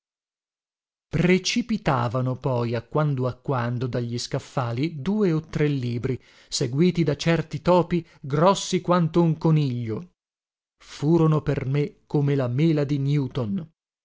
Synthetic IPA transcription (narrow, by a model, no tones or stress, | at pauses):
pɾet͡ʃipit̪aːvanopɔjakːwand̪oakːwand̪od̪aʎːiskafːaːlid̪uːeot̪ːɾelːiːbɾi | seɡwiːt̪id̪at͡ʃɛrt̪it̪ɔːpi | ɡɾɔsːikwant̪ouŋkoniʎːo | fuːɾonopermekːomelameːlad̪injuːt̪on